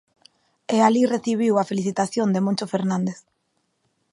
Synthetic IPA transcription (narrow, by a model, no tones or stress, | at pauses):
ealireθiβ̞iwafeliθit̪aθjond̪emõnt͡ʃofeɾnãnd̪eθ